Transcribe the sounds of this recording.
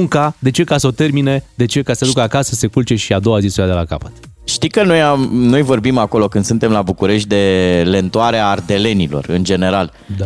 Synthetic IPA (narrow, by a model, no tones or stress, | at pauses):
ŋkad̪e̞t͡ʃe̞kasəo̞t̪e̞rmine̞d̪e̞t͡ʃe̞kasəed̪ukəakasəse̞kult͡ʃe̞ʃiad̪o̞wazisujad̪e̞laka̰pə̥t̪ | ʃt̪ikəno̞jamno̞jvo̞rbimako̞lo̞kɨnd̪sunt̪e̞mlabukuɾe̞ʃ̬t̪̚ʲd̪e̞le̞nt̪uaɾeaːrd̪e̞le̞nilo̞̰rɨnd͡ʒe̞neɾal | a